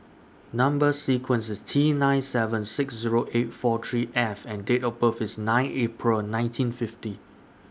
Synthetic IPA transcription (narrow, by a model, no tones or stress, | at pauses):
nãmbəssikʰwə̃nsɪstʰinãj̃nsɛvə̃nsɪksziɹoʔet̚fɔt̪ʰɹiʔɛfɛ̃ndetɔbəfɪsnãɪ̃nʔepʰɹəlnãɪ̃ntʰĩnfɪfti